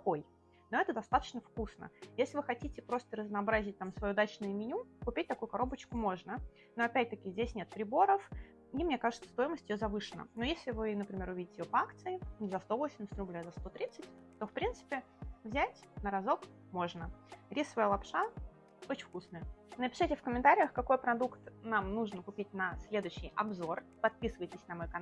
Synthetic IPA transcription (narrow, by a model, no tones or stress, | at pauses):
ko̞j | no̞ɛt̪əd̪ɐst̪at̪ə̥t͡ɕnəfkusnə̰jesʲlʲɪvɨxɐtʲitʲɪpɾo̞st̪əɾəznɐːbɾazʲɪt̚ʲt̪amsvɐjuːd̪at͡ɕnʊjʊmʲɪnʲukʊpʲit̚ʲt̪ɐkujʊkɐɾo̞bət͡ɕkʊmo̞ʐnə | no̞ɐpʲæt̚ʲt̪əkʲɪzʲdʲesʲnʲe̞t̪̚pɾʲɪbo̞ɾəf | nʲimnʲekaʐəɨt̪sə̥st̪o̞jɪməsʲtʲɪjozɐvɨʂɨnə̰nojesʲlʲɪvɨnəpɾʲɪmʲe̞ɾʊvʲidʲɪtʲɪjʲopɐakt̪sɨɪzɐst̪o̞vosʲɪmʲsə̥t̪ʲrʊblʲazɐst̪o̞t̪ɾʲit̪sɨtʲ | t̪o̞fpɾʲint̪sɨ̥pʲɪ | vzʲætʲnəɾɐzo̞k | mo̞ʐnəɾʲisːəvəjəlˠɐpʂa | ot͡ɕɪ̥fkusnəjənəpʲɪ̥ʂɨtʲɪfkəmʲɪnt̪aɾʲɪjəxkɐko̞jpɾɐd̪ukt̪namnuʐnkʊpʲitʲnɐsʲlʲe̞d̪ʊɕːɪjʔɐbzo̞rpɐt̪̚pʲisɨvəjtʲɪsʲnɐmojkɐ